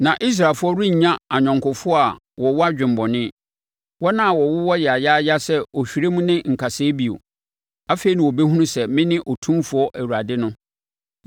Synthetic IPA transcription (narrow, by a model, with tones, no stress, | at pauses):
nã˨ʔi˦s̬ɾa˨lfʊ˦ɔ˦ɾʊ̃˦ɲ̩˨ɲã˦a˨ɲᶣɔ̃˨ŋkʊ˨fʊ˦ɔ˦a˨ | wɔ˨wɔ˦a˦d͡ʑᶣɪ̃˨mbɔ˨nɪ̃˦ | wɔ˦nã˦a˨wɔ˨wʊ˦wɔ˦jɛ˨a˨ja˦ja˦sɛ˦ɔ˨ɕᶣi˨ɾe˦mũ˦nɪ̃˦ŋ̩˨kʰa˨sɪː˦bi˨o̰˨ | a˦fe˨i˨nã˨wɔ˨be˦ɦu˦nũ˦sɛ˨mɪ̃˦nɪ̃˦ʔɔ˨tʰũ˦mfʊ˨˦ɔ˦ʔæ˨wu˨ɾa˨dɪ˦nʊ̃˦